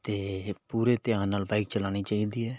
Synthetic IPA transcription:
t̪eːpuːɾeːt̪ɪjãːnaːlbaːɪk̚t͡ʃəlaːɽ̃iːt͡ʃaːiːd̪iːɛː

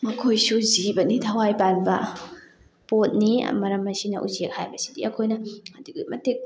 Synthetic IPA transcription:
mɐkʰojsuzibɐnitʰɐwajpanbɐ | pot̚nḭmɐɾɐmːɐsinɐ̰ʔṵzek̚hajbɐsi̥dḭɐkʰojnɐɐduɡimɐtik̚

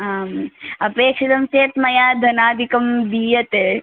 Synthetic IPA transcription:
ɦaːmɐpeːkʂit̪ɐmseːt̪mɐjaːd̪ʱɐnaːd̪ʱikɐmbiːjɐt̪e

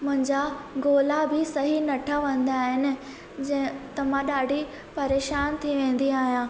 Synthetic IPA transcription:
mʊ̃ɦɪ̃ɲd͡ʑaɡoːlabʱɪsɐɦinɐʈʰaʋɐ̃nd̪aːɦɪnɪ̆ | d͡ʑɐ̃ɦɪ̃t̪ɐm̤ãɗaːɖʱi | pɐɾeːʃaːnt̪ʰiʋẽːn̆d̪iaːɦijãː

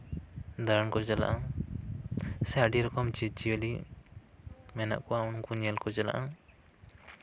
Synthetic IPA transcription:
d̪aɾnkɔd͡ʒala̰ʔa | sɛəɖiɾɔkɔmt͡ʃit͡ʃiəli | mɛna̰ʔkɔwaunkunɛlkɔd͡ʒɛla̰ʔã

